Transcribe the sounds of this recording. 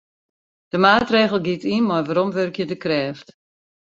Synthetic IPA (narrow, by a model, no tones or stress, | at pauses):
d̥əmaːtreːɣəl̩ˠɡitinmɔjʋaɾɔmʋørkjədəkrɛːft